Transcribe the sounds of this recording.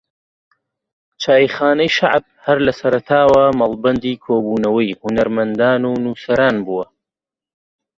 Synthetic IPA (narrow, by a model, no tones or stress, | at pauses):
t͡ʃʰaːjixaːnɐjʃa̰ʕb̚hɐɾlɐsɐɾɐt̪ʰaːwɐmɐlˠbɐnd̪iːkʰoːbuːnɐwɐjhʊnɐɾmɐnd̪aːnuːnuːsɐɾaːnbuːwɐ